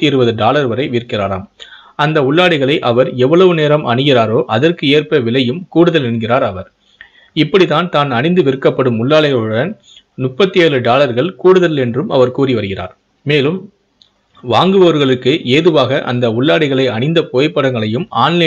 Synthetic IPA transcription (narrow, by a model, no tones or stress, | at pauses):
t̪ːiɾɯʋɐðɯɖaːlɐɾʋɐɾɐɪʋɪrkɪraːɾa̰ːm | ɐnd̪ɐʊɭːaːɽɪɣɐɭɐɪʔɐʋɐɾɛʋːɐɭɐʋɯneːɾɐmʔɐɳɯɣɪraːɾoːʔɐðɐrkɯeːrpɐʋɪɭɐjɯmkuːɽɯðɐlɛɳɡɪraːɾɐʋɐɾ | ɪpːɐɽiðaːnt̪aːnɐɳɪnd̪ɯʋɪɾɯkːɐpːɐɽɯmʊɭːaːɭɐɪɣɔɽɐn | nʊpːɐt̪ːɪjɐːɾɯɖaːlɐɾɣɐɭkuːɽɯðɐlɛndrɯmɐ̰ʋɐɾkuːriʋɐɾɯɣɪra̰ːɾ | meːlɯm | ʋaːŋɡɯʋɐʋɐɾɣɐɭɯkːɯʔeːðɯʋaːɣɐʔɐ̰nd̪ɐʊɭːaːɽɪɣɐɭɐɪɐɳɪnd̪ɐpoːjɐpːɐɽɐŋɡɐɭɐjɯmaːnne